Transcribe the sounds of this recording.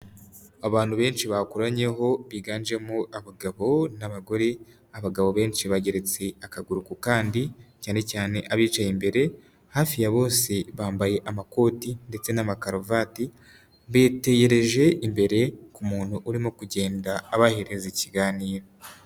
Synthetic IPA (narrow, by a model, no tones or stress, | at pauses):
aβaːn̥huβe̞ːnʃiβakuɾaɲe̞ɦo̞βiːɡaːnd͡ʒe̞muʔaβaɡaβo̞naβaɡo̞ɾe̞ | aβaɡaβo̞βe̞ːnʃiβaɟe̞ɾe̞t͡se̞akaɡuɾukukaːndicaːne̞caːne̞ʔaβiːt͡ʃajimbe̞ɾe̞ | haːfijaβo̞ːse̞βaːmbaje̞ʔamako̞ːtinde̞t͡se̞namakaɾovati | βete̞ɟe̞ɾe̞ʒe̞ʔimbe̞ɾe̞kumuːn̥huʔːɾimokuɟe̞ːndaːβaheɾeziciɡaːniːɾo